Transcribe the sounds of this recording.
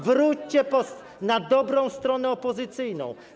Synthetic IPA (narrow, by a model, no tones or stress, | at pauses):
vɾut͡ɕt͡ɕɛpɔs | nad̪ɔbɾɔ̃w̃st̪ɾɔnɛɔpɔzɘt̪sɘjnɔ̰̃w̃